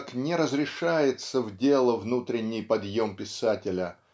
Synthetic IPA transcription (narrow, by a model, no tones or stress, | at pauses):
knʲɪɾəzɾʲɪʂajɪt̪səvdʲe̞lˠəvnut̪ɾʲɪnʲːɪjpɐd̪jo̞mpʲɪsatʲɪlʲə